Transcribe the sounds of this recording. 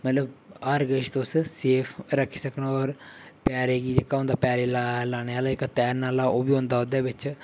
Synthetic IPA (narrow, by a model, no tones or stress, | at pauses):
mət̪ləbaɾɡəʃt̪osseːpʰɾəkʰːiːsəkənɔːɾ | paːɾeːɡiːd͡ʒeːkaːõnd̪aːpaːɾeːlalaːɽ̃eːaːlaːɪkt̪ɛːnːaːlaːoːbiːõːnd̪aːɦʊd̪eːʋɪt͡ʃ